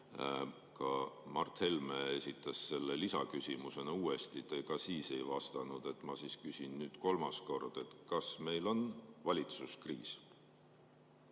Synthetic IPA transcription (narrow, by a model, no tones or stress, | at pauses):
kɑmɑrt̪he̞lmeesʲit̪ːˑɑsse̞lːe̞lisɑkysʲimuse̞nɑuːe̞st̪it̪ekɑsiːse̞jvɑst̪ɑnud̪̥e̞t̪ːˑmɑsiːskysʲinnyːd̪̥ko̞lmɑsko̞rd̪̥e̞t̪kɑsme̞jlo̞nvɑlʲit̪suskrḭːs